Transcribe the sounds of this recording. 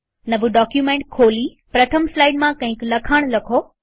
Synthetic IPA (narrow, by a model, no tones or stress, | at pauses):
nɐʋuɖɔːkjumẽːɳʈ̚kʰoːli | pɾɐt̪ʰəmslaːɪɖmãkɐ̃ɦɪ̃klɐkʰəːɽ̃lɐkʰoː